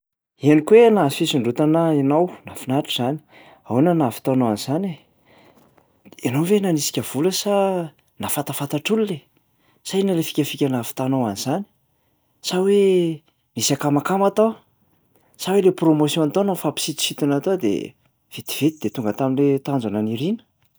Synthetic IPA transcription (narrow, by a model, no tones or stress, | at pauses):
ianikwenafisiɳɖ͡ʐut̪anainawnafinaʈ͡ʂiz̥ani̥ | awunanafi̥t̪anawanizane | enowvenanisi̥kʲəv̥uləsa | nafat̪afat̪aʈ͡ʂulule | sainəlefi̥kʲəfikʲanafi̥t̪anawanizani̥ | sawe | misakamakamat̪o | sawelepromosjõnt̪onofapi̥sit̪i̥sit̪inat̪od̪ḛ | v̥et̪i̥v̥et̪id̪et̪uŋɡət̪aminlet̪and͡zananiɾinə̥